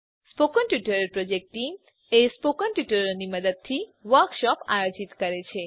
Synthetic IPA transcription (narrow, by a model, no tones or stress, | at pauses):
spokənʈjuʈəɾəɾpɾod͡ʒek̚ʈʈim | espokənʈjuʈəɾoniməd̪əd̪̚t̪ʰiʋəɾkʃɔpajod͡ʒit̪kəɾet͡ʃʰe